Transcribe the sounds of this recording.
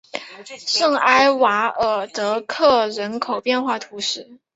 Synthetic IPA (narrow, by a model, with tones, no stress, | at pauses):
ʂɤ˥˩ŋa˥ɪwa˧˥ə˨˩t̪ɤ˧˥kʰɤ˥˩ɻə˧˥nkʰo˨˩ʊpjɛ˥˧nxwa˥˩t̪ʰu˧˥ʂɻ̩˥˩